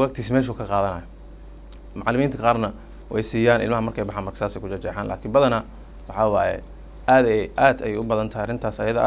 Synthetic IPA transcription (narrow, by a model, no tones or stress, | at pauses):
wɑːɡ̚t̪ʰiːsmɛːʃ̬ʊːkʰɐqɑːðɐnɐːjɐ | mɑʕlɪmiːnt̪ʰkqɑːrnɐ | wʔɛ̰jsiːjaːnɪ̰lmɐɦɐmɐrkʰɛjbɑħaːnmɐrksaːsɛjkʊt͡ʃɐt͡ʃɛːħaːnlʔa̰ːkʰiːnbɐðɐnɐ | wɑħɑːwɑːjɛ̰ | ʔaːðɛʔaːd̪ɛjʊbɐðɐnt̪ʰɐjɐrɪnt̪ʰaːsɐjɐðɐ̰